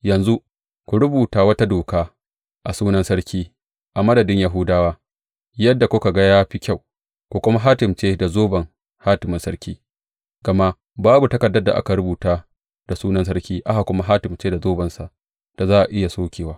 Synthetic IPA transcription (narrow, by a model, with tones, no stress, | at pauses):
jɐ˨nzu˦ | kʷu˨ɾʊ˦buː˨taː˦wɐ˦ta˦doː˨kaː˦ | ʔa˨suː˦nɐ˦nsɐ˦ɽkʲiː˦ | ʔa˨mɐ˦dɐ˨dɪ˦ɲjaː˦ɦʊ˦daː˦waː˦ | jɐ˦dːa˨kʷʊ˦ka˨ɡa˦jaː˦ɸi˦kʲa˦˨w | kʷu˨kʷʊ˦ma˦ɦaː˦tɪ˨mt͡ʃeː˦da˨zoː˦bɐ˨ŋ | haː˦tɪ˨mɪ˦nsɐ˦ɽkʲiː˦ | ɡɐ˨ma˦ʔ | baː˦bu˨tɐ˦kɐ˨dːɐ˦dːa̰˨ʔa̰˦ka˨ɾʊ˦buː˨taː˦ | d̥a˨suː˦nɐ˦ns̬ɐ˦ɾkʲiː˦ʔa˦ʔa˨kʷʊ˦ma˦ɦaː˦tɪ˨mt͡ʃeː˦da˨zoː˦bɐ˨nsa˨ʔ | d̥a˨zaː˦ʔa˨ʔɪ˦ja˨soː˦kʲeː˨waː˦